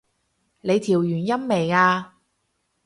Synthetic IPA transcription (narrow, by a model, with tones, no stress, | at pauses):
le˨˧jt̪ʰiː˨˩wjyː˨˩njɐ˥mːe˨˩jaː˧